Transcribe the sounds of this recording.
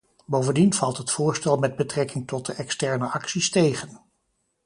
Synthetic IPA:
bowvəndinv̥ɑlˠtɦətfʊːɹstɛlˠmɛd̚bətrɛkɪŋtɔt̚dəʔɛkstɛɹnəʔɑksistejχən

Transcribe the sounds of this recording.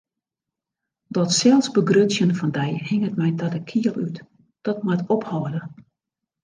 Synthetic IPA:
dɔtsɛlˠsbəɡrøsjənfɔndɛjhɪŋət̚mɛjdɔtəkʰiəlˠyt | d̥ɔt̚mwatophɔːədə

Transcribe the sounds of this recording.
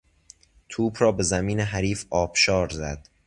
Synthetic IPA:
t̪ʰuːbɾɒːbe̞zæmiːneɦæɾiːfɒːb̥ʃɒːɾzæd̪̥

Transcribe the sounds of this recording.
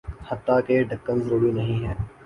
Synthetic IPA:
hət̪ːaːkeːɖʱəkːənzɾuːɽiːnɐɦĩːɦɛ̃ː

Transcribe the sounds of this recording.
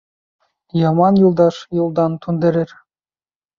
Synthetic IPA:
jɑmɑnjulˠd̪ɑʃjulˠd̪ɑnt̪ʰund̪ɘ̆ɾɘ̆ɾ

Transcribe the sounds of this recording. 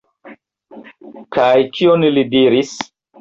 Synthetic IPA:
kajkʰionlidiɾis

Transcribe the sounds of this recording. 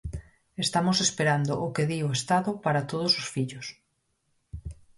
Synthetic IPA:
est̪amosespeɾand̪oʔʊkeðioest̪aðopaɾat̪oð̞ososfiʎos

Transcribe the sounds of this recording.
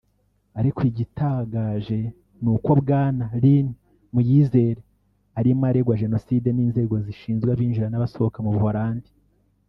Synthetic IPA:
aɾikwiɟitaːɡaːʒe̞ | nuːko̞βɡaːnaɾini | mujiːze̞ːɾe | aɾimaːɾeɡwaʒe̞no̞siːde̞niːnze̞ːɡo̞ziʃiːnzɡwaβiːnʒiɾanaβaso̞βokamuβuhaɾaːndi̥

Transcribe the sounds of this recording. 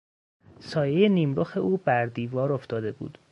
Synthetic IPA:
sɒːjejeniːmɾoxe̞ʔuːbæɾd̪iːvɒːɾoft̪ɒːd̪e̞bṵːd̪̥

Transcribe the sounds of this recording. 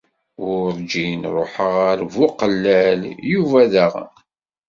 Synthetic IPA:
ʊɾɾd͡ʒinɾˤoħəʁæɾvʊqəlːæljuvæðəʁ

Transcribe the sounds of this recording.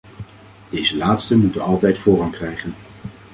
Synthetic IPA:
d̥ejzəlaːtstəmutənɑlˠtɛjtfʊːrɑŋkrɛjχən

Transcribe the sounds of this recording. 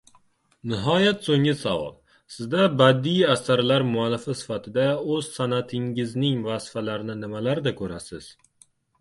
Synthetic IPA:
nɪɦɒjat̪soŋɪsavɒ̰lˠ | sɪzd̪abad̪ːijasaɾlaɾmʊalːɪfɪsɪ̥fat̪ʰɪd̪aɵz̥sanat̪ʰɪŋɪznɪŋvasɪ̥falaɾnɪnɪmalaɾd̪akʰɵɾasɪz̥

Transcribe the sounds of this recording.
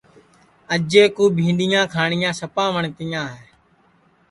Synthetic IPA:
əd͡ʒeːkuːbʱĩːɗɪjãːkʰaːɳɪjãːsəpãːʋəɳt̪ɪjãːɦeː

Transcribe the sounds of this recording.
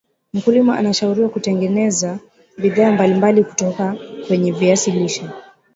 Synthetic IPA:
m̩kulimaʔa̰naʃauɾiwakutɛŋɡɛnɛza | biðaːmbalimbaliku̥tɔkakwɛɲɛviasiliʃɔ

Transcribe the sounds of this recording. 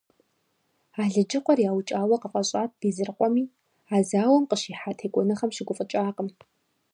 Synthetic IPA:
aːɮɨd͡ʒɪqʷʼɔrjaːwt͡ʃʼaːwɐqəfʼɐɕʼaːt̚ʰb̥iːzɨrqʷʼɔmiː | aːzaːwɐmqəʃiːħatʰeːkʷʼɔnɨχɐmʃɪɡʷʊfʼət͡ʃʼaːqʼəm

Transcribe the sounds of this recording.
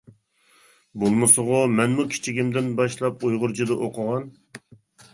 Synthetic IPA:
bolˠmɨsʊʁʊmɛnmukʲʰi̥t͡ʃʰiɡʲimd̪ɪnbɑʃlˠɑpojʁʊɾt͡ʃʰid̪ɨʔoqʰəʁɑn

